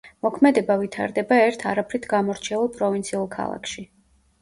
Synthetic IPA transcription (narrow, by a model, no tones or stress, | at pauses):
mɔkʰmɛd̪ɛbavit̪ʰa̰ɾd̪ɛbaɛɾt̪ʰaɾapʰɾit̪ʰɡamɔɾt͡ʃʰɛulˠpʼɾɔvint̪sʰiulˠkʰa̰lˠa̰kʰʃi